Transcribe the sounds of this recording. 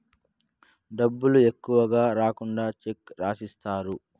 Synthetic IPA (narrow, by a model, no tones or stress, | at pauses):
d̪ɐbːʊlʊjɛkːʊwɐɡaːɾaːkʊnd̪aːt͡ʃɪkːɾaːsɪst̪aːɾʊ